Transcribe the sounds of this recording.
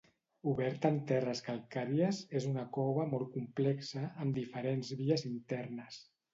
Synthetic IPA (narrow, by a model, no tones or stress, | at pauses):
uβɛɾt̪əːnt̪ɛrəskalˠkaɾiəzezunəkɔβəmɔlˠkumplɛksəːmd̪ifəɾenzβiəzint̪ɛɾnəs